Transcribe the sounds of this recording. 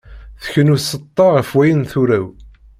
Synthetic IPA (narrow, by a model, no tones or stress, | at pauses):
θə̥çənusət̪ˤːɑʁəfwæjənθuɾæw